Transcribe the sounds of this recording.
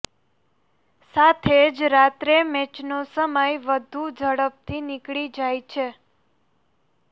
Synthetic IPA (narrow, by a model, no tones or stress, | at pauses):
sat̪ʰed͡ʒɾat̪ɾemɛt͡ʃnosəməjʋəd̪ʱud͡ʒəɽəp̚t̪ʰinɪkɭid͡ʒajt͡ʃʰe